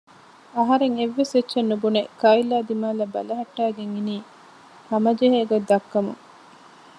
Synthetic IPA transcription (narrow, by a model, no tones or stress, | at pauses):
ɐɦɐɾeŋeʋːesʋetːʃenːubunekɐilːaːd̪imaːlɐbɐ̰lɐɦɐʈːaːɡeŋiniː | hɐmɐd͡ʒeɦeːɡod̪ːɐkːɐmṵŋ